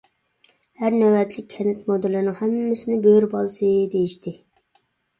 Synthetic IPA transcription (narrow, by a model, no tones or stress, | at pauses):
hæɾnæwɛt̪lɪkʲʰɛnɪt̪mod̪ɪlːɨnɨŋhɛmːɪsɪnɪbøɾbɑlˠsɨd̪ejiʃt̪ɪ